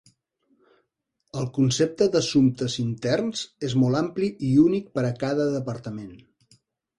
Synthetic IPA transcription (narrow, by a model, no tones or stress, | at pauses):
əlˠkunsep̚t̪əðəsumt̪əzint̪ɛrnzezmɔlˠampliʔiunik̚pəɾəkaðəðəpəɾt̪əmen